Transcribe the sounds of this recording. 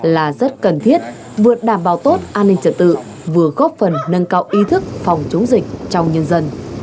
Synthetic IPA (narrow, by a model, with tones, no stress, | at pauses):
laː˨˩zə˦˥t̚kə˨˩nt̪ʰi˦˥ət̚ | vɨ˨˩ət̚ɗaː˧˩mɓaː˨˩wt̪o˦˥t̚ʔaː˧nːï˧ŋ̟t͡ɕə˨˩t̚t̪ɨ̰˧˨ | vɨ˨˩əɣɔ˦˥p̚fə˨˩nːə˧nkaː˧wʔi˨˦t̪ʰɨ˦˥k̚fɔ˨˩wŋ͡mt͡ɕo˨˦wŋ͡mzï˨˩k̟̚t͡ɕɔ˧wŋ͡mɲə˧nzə˧n